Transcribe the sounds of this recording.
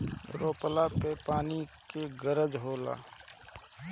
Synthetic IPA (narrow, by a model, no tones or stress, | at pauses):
ɾoːpəlapepaːnikeɡəɾəd͡ʒɦoːla̰ː